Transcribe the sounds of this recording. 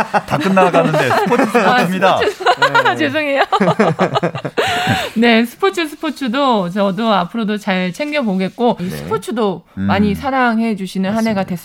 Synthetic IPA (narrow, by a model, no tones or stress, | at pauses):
takɯnːaanɯnepʰoɯmɲida | t͡ɕes̬ʰɯŋejo | ne̞sʰɯ̥pʰot͡ɕʰɯsʰɯ̥pʰot͡ɕʰudot͡ɕʌdoapʰɯɾodot͡ɕaɭt͡ɕʰe̞ŋɡjʌboɡe̞t̚k͈osʰɯ̥pʰot͡ɕʰudomaɲisʰaɾaŋɦed͡ʑuɕʰinɯnɦane̞ɡadwe̞s͈